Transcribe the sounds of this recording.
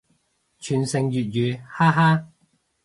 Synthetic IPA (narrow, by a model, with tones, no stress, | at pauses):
t͡ʃʰyː˨˩nsɪ˨ŋjyː˨t̚jyː˨˧haː˥ɦaː˥